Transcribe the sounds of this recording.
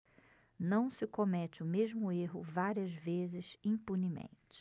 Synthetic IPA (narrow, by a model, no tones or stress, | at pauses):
nɐ̃w̃sɪkomɛt͡ʃɪʊmeʒmʊeɦʊ̰vaɾiɐzvezɪzĩpunimḛ̃nt͡ʃɪ̥